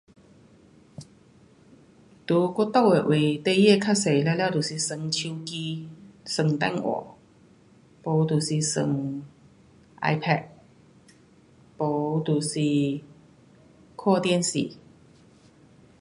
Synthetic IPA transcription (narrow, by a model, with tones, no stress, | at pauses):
t̪u˨˦ko˥t̪o˥˨we˨˩ʔwe˨˩t̪e˥˧jɛ˥˧kʰa˥se˨˩jllja˥˧˨t̪u˨˩si˨˩sə˨˧˩ŋt͡ɕʰi˧wki˧sə˨˩ŋt̪ɛ̰˥˨nwɔ̰˨˩˦ | po˨˦t̪u˨˩si˨sə̰˨˩ŋ | ʔa̰˧jpʰɛ˥˧˩t̚ | po˨˦t̪u˨˩si˨˩ | kʰɔ˥˧t̪jɛ˥˨nsḭ˨˩